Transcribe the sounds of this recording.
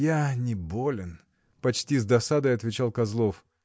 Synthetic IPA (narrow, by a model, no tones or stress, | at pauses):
janʲɪbolʲɪn | pɐt͡ɕtʲizd̪ɐsad̪əɐt̪vʲɪt͡ɕalˠkɐzlˠof